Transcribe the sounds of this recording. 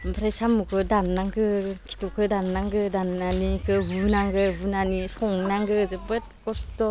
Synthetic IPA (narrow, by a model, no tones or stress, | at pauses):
pʰɾesamukʰɯdanːaŋɡɯkʰi̥tukʰɯdanːaŋɡɯdanːanikʰɯbunaŋɡɯbunanisɔŋnaŋɡɯzɯbɯt̚kɔstɔ